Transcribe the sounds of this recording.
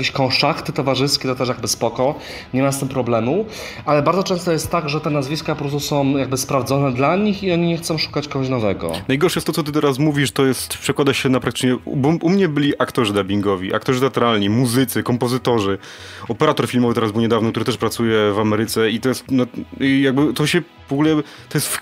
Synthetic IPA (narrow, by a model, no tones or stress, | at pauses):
akʲeɕkɔ̃w̃ʂakt̪ɘt̪ɔvaʐɘskʲɛt̪ɔt̪ɛʂjaɡ̚bɘspɔkɔ | ɲɛmast̪ɘmpɾɔblɛmu | alɛbaɾd̪ɔt͡ʂɛ̃st̪ɔjɛst̪ːaɡʐɛt̪ɛnazvʲiskapɔpɾɔst̪usɔ̃w̃jaɡ̚bɘspɾavd̪zɔnɛd̪laɲixiɔɲiɲɛxt̪sɔ̃w̃ʂu̥kat͡ɕkɔɡɔɕnɔvɛɡɔ̰najɡɔɾʂɛjɛst̪ːɔtsɔt̪ɘt̪ɛɾas̬muvʲiʂt̪ɔjɛst̪pʂɛkwad̪aɕɛnapɾak̚t̪ɘ̥t͡ʂɲɛbʔumɲɛbɘlʲiʔakt̪ɔʐɨd̪abʲiŋɡɔvʲiʔa̰kt̪ɔʐɨt̪ɛat̪ɾalɲimuzɘt̪sɛkɔmpɔzɘt̪ɔʐɘ | ɔpɛɾat̪ɔɾfʲilmɔvɘt̪ɛɾazbɘwɲɛd̪avnɔkt̪uɾɘt̪ɛʂpɾat̪sujɛvamɛɾɘt̪sɛit̪ɔjɛst̪nɔjaɡ̚bɘt̪ɔɕɛ | vɔɡulɛ | t̪ɔjɛst̪f